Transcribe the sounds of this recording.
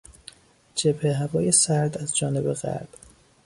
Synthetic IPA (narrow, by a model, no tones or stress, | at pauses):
d͡ʒebheɦævɒːje̞sæɾd̪æzd͡ʒɒːne̞beɣæ̰ɾb̥